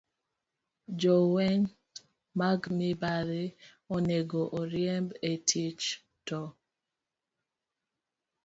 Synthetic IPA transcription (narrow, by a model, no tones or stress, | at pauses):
d͡ʒɔwɛɲ | maɡmibaɾe | ɔneɡoʔɔɾjɛmbetʰit͡ʃ | tɔ